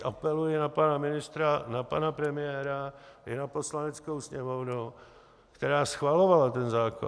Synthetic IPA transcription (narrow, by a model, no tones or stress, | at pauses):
ʔapɛlujɛnapanamɪnɪst̪ɾanapanapɾɛmɪjɛːɾajɛnaposlanɛt͡skowsɲɛmownu | kt̪ɛɾaːsxvalovalat̪ɛnzaːko̰